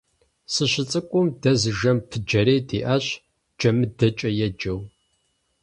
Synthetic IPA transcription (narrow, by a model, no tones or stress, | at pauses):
sɨɕɪt͡sʼɨkʷʼʊmdɐzɨʒɐmpʰɨd͡ʒɐɾeːdiːʔɐɕ | d͡ʒɐmɨdɐt͡ʃʼɐjɛd͡ʒɐw